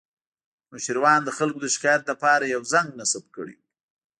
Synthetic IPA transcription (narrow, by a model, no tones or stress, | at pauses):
nʊʃəɾwɑnd̪əxalkod̪əʃɪ̥kɑjat̪̚lapɑɾajawzaŋɡnasab̚kə̰ɽḭ